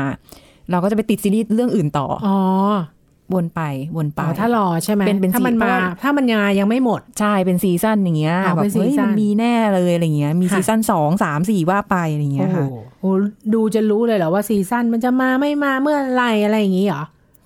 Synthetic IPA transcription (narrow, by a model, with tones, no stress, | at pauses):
a˧ | ɾa˧wkɔː˥˩t͡ɕa˨˩pa˧jt̪i˨˩siː˧liː˥˩t̪̚ɾɯ˥˩əŋʔɯː˨˩nt̪ɔ̰ː˨˩ʔɔː˧˦ | wo˧npa˧jwo˧npa˧˩t̪ʰaː˥˩lɔː˧t͡ɕʰa˥˩jm˦pe˧npe˧na˥˧˨ma˧nmaː˧˩t̪ʰaː˥˩ma˧nŋaː˧ja˧ŋma˥˩jmo˨˩t̪̚t͡ɕʰa˥˩jpe˧nsiː˧˩sa˥˩nja˨˩ŋːi˦˥ɐa˧˩ɛː˨e˧ɯ˦˥˩ja˧miː˧nɛː˥˩lɤː˧jʔɾa˧jŋːi˦˥ɐʔmiː˧iː˧sa˥˩nsɔː˩˦ŋsaː˩˦msiː˨˩waː˥˩pa˧jɾa˧˨ŋːi˦˥˧hʔoː˧˩duː˧t͡ɕa˨˩ɾuː˦˥lɤː˧jlɔ˨˩waː˥˩siː˧sa˥˩nma˧nt͡ɕa˨maː˧ma˥˩jmaː˧mɯ˥˩ɐla˧jʔa˧ɾa˧jːa˨˩ŋiː˦˥lɔ˨˩˦